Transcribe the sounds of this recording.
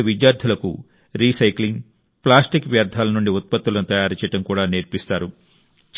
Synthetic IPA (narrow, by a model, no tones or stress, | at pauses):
ɐʋidjaːɾd̪ʰʱulɐkṵ | ɾiːsɐjkliŋɡ | plaːsʈikʋjaːɾd̪ʱaːlɐnuɳɖiut̪̚pɐt̪ːulɐnut̪ɐjaːɾit͡ʃɛjɐʈɐmkuːɽaːneːɾpist̪aːɾu | t͡ʃ